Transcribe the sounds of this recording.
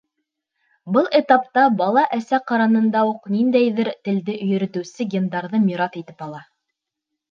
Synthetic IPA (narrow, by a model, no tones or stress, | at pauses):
bɤlˠet̪ɑpt̪ɑbɑlˠɑʔæsæqɑɾɑnɤ̆nd̪ɑuqnind̪æjðɘɾt̪ɘ̆ld̪ɘʔɵ̆jɘ̆ɾɘ̆t̪ɘ̆wsɘɡʲend̪ɑɾðɤmʲiɾɑt̪it̪ɘ̥pɑlˠɑ